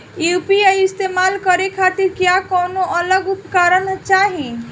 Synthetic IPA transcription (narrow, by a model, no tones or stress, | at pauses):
jupiajist̪emalkəɾekʰat̪iɾkjakɔnoələɡupkaɾənt͡ʃaɦĩ